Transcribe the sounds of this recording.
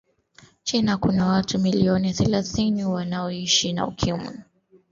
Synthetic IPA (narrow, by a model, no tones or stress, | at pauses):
t͡ʃinakunawatumiliɔniaθɛlaθiniwanaɔiʃina̰ṵkʰimḭ